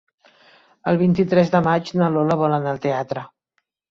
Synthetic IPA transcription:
əlˠβint̪it̪ɾɛzðəmad͡ʒnəloləβɔlənalˠt̪eat̪ɾə

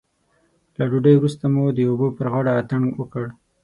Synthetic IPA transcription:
laɖuɖajwɾust̪amud̪əobəpəɾɣɑɽaːt̪əɳwəkəɽ

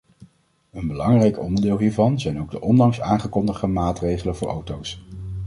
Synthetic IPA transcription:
ənbəlɑŋrɛjkɔ̰ndəɹdɪːlˠɦiːɹvɑnzɛjnowɡ̚dəʔɔndɑŋsaːŋχəkɔndəχəmaːtrejχələnvʊːɹʔo̰wtows

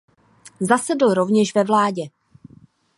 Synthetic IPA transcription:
zasɛdl̩ɾo̞vɲɛʃvɛvlaːɟɛ

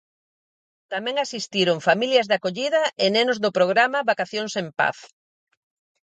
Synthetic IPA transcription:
t̪amɛ̃ŋasist̪iɾʊŋfamiljɐzðakoʎiðɐenenʊzðʊpɾoɣ̞ɾamaβakaθjoŋsempa̰θ

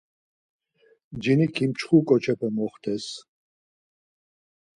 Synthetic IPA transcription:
d͡ʒinikʰimt͡ʃʰχukʼɔt͡ʃʰɛpʰɔmɔχt̪ʰɛs

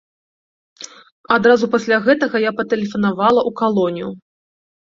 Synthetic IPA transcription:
ad̪ɾazupasʲlʲaɣɛt̪ɐɣɐjapɐt̪ɛlʲɛfɐnavalˠɐʔukalˠɔnʲiju

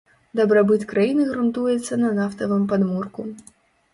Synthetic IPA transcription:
d̪ɐbɾɐbɨt̪kɾajinɨɣɾʊnt̪ujɛt̪sʲːɐnɐnaft̪ɐvɨmpɐd̪murku

